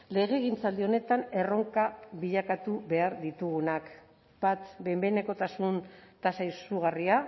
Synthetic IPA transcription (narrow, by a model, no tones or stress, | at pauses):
le̞ɣ̞e̞ːɣ̞int͡sald̪io̞ne̞t̪ane̞ro̞ŋkaβiʎakat̪uβe̞aɾðit̪uɣ̞unak | bat̪be̞mbeneko̞t̪asunt̪asaisuɣ̞aria